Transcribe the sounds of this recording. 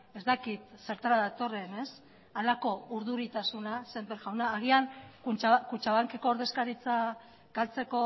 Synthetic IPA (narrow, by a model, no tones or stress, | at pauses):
e̞zt̪akit̪se̞ɾt̪aɾaðat̪o̞re̞ne̞s | alako̞uɾðuɾit̪asunase̞mbeɾɣawnaːɣ̞iankut͡ʃakut͡ʃaβaŋke̞koːɾðe̞skaɾit͡sa | ɡ̥alt͡se̞ko̞